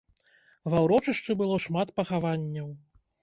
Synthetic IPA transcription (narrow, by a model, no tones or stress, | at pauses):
vawɾɔt͡ʂɨʂt͡ʂɨbɨlˠɔʂmat̪̚pɐxavanʲːɐw